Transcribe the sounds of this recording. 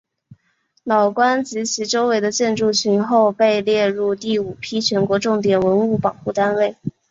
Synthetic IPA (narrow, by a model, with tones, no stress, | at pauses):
lɑ˨˩ʊkwa˥nt͡s̩˧˥t͡ɕʰi˧˥ʈ͡ʂo˥ʊwe˧˥ɪd̪ə˧t͡ɕjɛ˥˧nʈ͡ʂu˥˩t͡ɕʰy˧˥nxo˥˧ʊpe˥˧ɪljɛ˥˧ɻu˥˧t̪i˥˩u˨˩pʰi˥t͡ɕʰɥɛ˧˥nkwɔ˧˥ʈ͡ʂʊ˥˩ŋt̪̬jɛ˨˩nwə˧˥nu˥˩pɑ˨˩ŋxu˥˩t̪a˥nwe˥˩ɪ